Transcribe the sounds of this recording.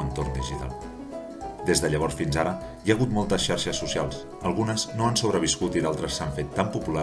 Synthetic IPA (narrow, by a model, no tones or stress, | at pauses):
ənt̪oɾnd̪iʒit̪a̰lˠ | d̪ezðəʎəβɔɾsfinzaɾə | jaːɣ̞ut̪mɔlˠt̪əsʃaɾʃəsːusialˠs | əlˠɣunəznoansoβ̞ɾəβiskut̪iðalˠt̪ɾəsːaɱfet̪ːampupula